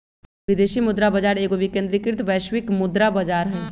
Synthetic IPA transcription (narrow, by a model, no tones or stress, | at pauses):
ʋɪd̪eːʃimʊd̪ɾabɐd͡ʒaːɾeːɡoʋikẽːnd̪ɾikɪɾt̪ʰʋɛːʃwɪkmʊd̪ɾabɐd͡ʒaːɾɦɛː